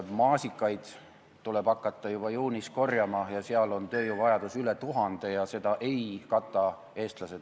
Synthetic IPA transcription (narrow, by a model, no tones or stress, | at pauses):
mɑːsikːˑɑjd̪̥ | t̪uleb̥ɑkˑːɑt̪ˑːɑjub̥ɑjuːnisko̞rjɑmɑjɑseɑlo̞nt̪ø̞ːjuvɑjɑd̪̥usylet̪uɦɑnd̪̥e̞jɑse̞d̪̥ɑʔe̞jkɑt̪ˑːɑ | e̞ːst̪lɑse̞d̪